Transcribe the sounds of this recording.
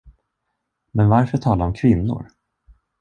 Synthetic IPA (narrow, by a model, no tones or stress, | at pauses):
mɛnvaɾfœʈʰɑːlaɾɔmkʰvɪnːʊ̰ɾ